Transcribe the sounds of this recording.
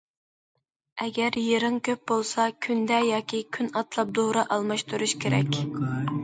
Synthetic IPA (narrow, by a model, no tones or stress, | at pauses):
ɛɡʲɛɾjeɾɨŋkʲʰøp̚bolˠsɑkʲʰynd̪ɛjɑːkʲikʲʰynɑt̪lˠɑp̚d̪oɾɑʔɑlˠmɑʃt̪uɾuʃkʲʰeɾɛ̰kʲ